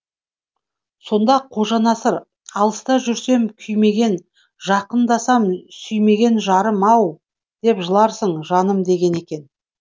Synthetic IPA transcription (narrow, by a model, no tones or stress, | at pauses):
so̞nd̪ɑqʰo̞ʒɑnɑsəɾ | ɑlˠəst̪ɑʒʏɾse̞mkʲʰʏjme̞ɡʲe̞n | ʒɑqənd̪ɑsɑmsʏjme̞ɡʲe̞nʒɑɾəmɑw | d̪̥e̞pʒəlˠɑɾsəɴʒɑnəmd̪e̞ɡʲe̞ne̞kʲe̞n